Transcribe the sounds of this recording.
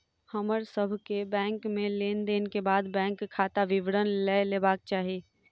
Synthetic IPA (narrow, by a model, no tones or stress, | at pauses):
həməɾsəbʱkebɛ̃ːŋkmẽleːnd̪eːnekebaːd̪bɛ̃ːŋkʰːaːt̪aʋɪʋɽənlɛːleːbaːk̚t͡ʃaːɦieː